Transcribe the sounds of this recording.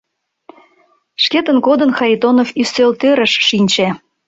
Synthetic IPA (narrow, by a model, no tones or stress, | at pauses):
ʃket̪ənkod̪ənxɑɾʲit̪onofysølt̪øɾə̆ʃʃinʲt͡ɕe